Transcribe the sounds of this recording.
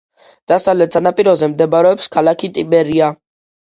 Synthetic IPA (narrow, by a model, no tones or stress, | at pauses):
d̪̥asavlɛt̪sanapʼiɾɔzɛmd̪ɛbaɾɛɔpskʰalakʰit̪ʼibɛɾia